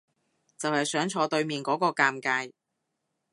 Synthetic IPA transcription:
t͡sɐ˨whɐ˨˩jsœː˨˥ŋt͡ʃʰɔː˨˧t̪ɵ˧ɥmiː˨˩nkɔː˨˥kɔː˧kaː˧mkaː˧j

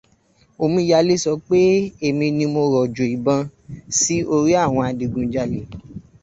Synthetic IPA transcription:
o˧mũ˧i˧˦ja˧˦le˦sɔ˧˦k͡pe˦e˧˨mĩ˧nĩ˧mo˧ɾɔ˨d͡ʒo˨i˨bã˧si˦o˧ɾi˦a˦˨w̃ɔ̃˧a˧di˧ɡũ˧d͡ʒa˧˦le˨˦

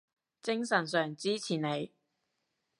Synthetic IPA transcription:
t͡sɪ˥ŋsɐ˨˩nsœː˨˩ŋt͡siː˥t͡sʰiː˨˩ne˨˧j

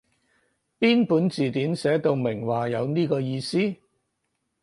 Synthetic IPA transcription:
piː˥npuː˨˥nt͡siː˨t̪iː˨˥nsɛː˨˥t̪o˧wmɪ˨˩ŋwaː˨˩jɐ˨˧wniː˥kɔː˧jiː˧siː˥

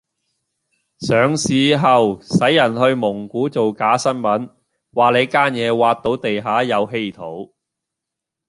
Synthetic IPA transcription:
sœː˨ŋsiː˨˧ɦɐ˨wsɐ˨˥jːɐ˨˩nɦɵ˧ɥmʊ˨˩ŋkuː˨˥t͡so˨wkaː˨˥sɐ˥nmɐ˨˥n | waː˨le˨˧jkaː˥njɛː˨˧waː˧t̚t̪o˨˥wt̪e˨jɦaː˨˥jɐ˨˧wɦe˥jt̪ʰo˨˥w

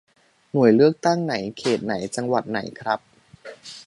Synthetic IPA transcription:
nu˨˩əjlɯ˥˩ək̚t̪a˥˩ŋna˩˦jkʰeː˨˩t̪̚na˩˦jt͡ɕa˧ŋwa̰˨˩t̪̚na̰˩˦jkʰɾa˦˥p̚

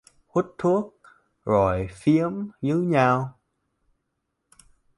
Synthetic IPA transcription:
hwu˦˥t̚t̪ʰu˦˥ək̚ | zo˨˩jfi˨˦əmzɨ˨˦ɲaː˧w

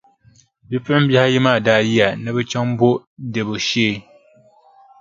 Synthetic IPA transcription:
bi˦pɨ˦ʔɪ˦bjɛ˦ha˦jɛ˦maː˦˨daː˦˨ji˦a˨nɨ˦bɨ˦t͡ʃa˦ŋ˦bo˦dɨ˨bo˨ʃeː˦˨

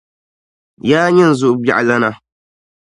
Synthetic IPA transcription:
jaː˦ɲɛ˦n̩˨zʊ˦ʔʊ˦ba̰˨ʔa˨la˦na˦

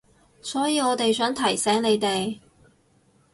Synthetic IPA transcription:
sɔː˨˥jiː˧ɔː˨˧t̪e˨jsœː˨˥ŋt̪ʰɐ˨˩jsɛː˨˥ŋne˨˧jt̪e˨j

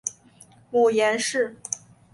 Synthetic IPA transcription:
mu˨˩jɛ˧˥nʂɻ̩˥˩

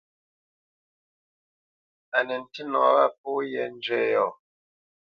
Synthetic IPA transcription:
a˨nɛ˨n̩˨ti˦nɔ˨˦ɣa˦p̚ɔ˦jɛ˨n̩˦d͡ʒɥɛ˦jɔ˨

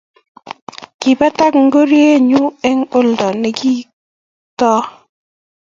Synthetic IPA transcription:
ki˨ba˦ta˦kŋ̩˦ɡo˦ɾje˦˨ɲu˦ɛ˦ŋo˦ldɔ˨nɛ˨ki˦ | tɔ˦

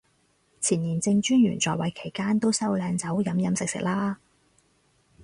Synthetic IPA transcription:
t͡sʰiː˨˩njiː˨˩nt͡sɪ˧ŋt͡ʃyː˥njy̰ː˨˩nt͡sɔː˨˩jwɐ˨˥jkʰe˨˩jkaː˥nt̪o˥wsɐ˥wlɛː˨˧ŋt͡sɐ˨˥wjɐ˨˧˥mjɐ˨˥msɪ˨k̚sɪ̰˨k̚laː˥

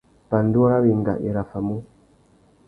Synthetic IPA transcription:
pa˨n˦du˦a˦ɾa˦bi˨ŋ˨ɡa̰˨ʔḭ˨ɾa˨fa˨mu˦

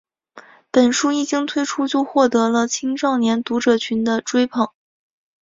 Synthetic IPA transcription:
pə˨˩nʂu˥i˥˩t͡ɕi˥ŋt̪ʰwe˥ɪʈ͡ʂʰu˥t͡ɕjo˥˧ʊxwɔ˥˩t̪ɤ˧˥lə˧t͡ɕʰi˥ŋʈ͡ʂɑ˥˩ʊnjɛ˧˥nt̪u˧˥ʈ͡ʂɤ˨˩t͡ɕʰy˧˥nd̪ə˧ʈ͡ʂwe˥ɪpʰɤ˨˩˦ŋ

